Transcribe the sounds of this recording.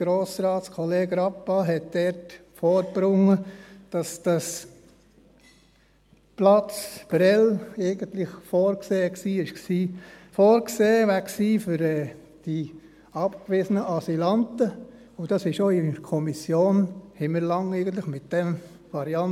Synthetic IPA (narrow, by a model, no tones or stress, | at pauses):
ɡ̥ɾoːsɾɑːtskʰɔleːɡɾɑpːɑɦɛt̚d̥ɛɾtfoːɾb̥ɾʊŋːəd̥ɑsd̥ɑs | plɑt͡sb̥ɾɛleɪɡənt̪lɪχfoːɾkseːksiːɪʃksiːfoːɾkseːʋæksiːfʏɾɛː | d̥i | ɑpkʋɪzənəʔɑsilɑntə | ʊd̥ɑsɪʃoːɪkʰɔmisjoːnhɪməɾlɑŋɛɪɡən̩t̪lɪχmɪt̚d̥ɛm | ʋɑɾiɑn